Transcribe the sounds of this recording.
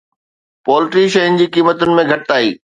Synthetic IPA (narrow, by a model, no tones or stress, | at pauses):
pɔːlɪʈɾiʃ̬ɐjʊnd͡ʑiːkiːmət̪ʊnɪ̆mẽɡʱɐʈɪt̪aːḭː